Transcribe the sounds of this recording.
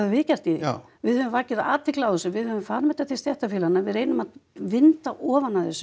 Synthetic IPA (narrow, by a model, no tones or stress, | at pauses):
vʏvɪcar̥t̪i | vɪðhʏvʏmvaːcɪðaʔaːt̪vɪklawʏsʏvɪðhʏvʏɱfaːɾmɛt̪aθɪlsjɛht̪afɪːlanːavɪðɾeːjnʏmaðvɪnt̪aʔɔːvanaθɛsːʏ